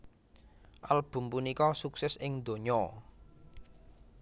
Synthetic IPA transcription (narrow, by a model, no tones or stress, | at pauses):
ʔalb̥ṳmpunikɔsuksɛsɪŋd̪o̤ɲɔ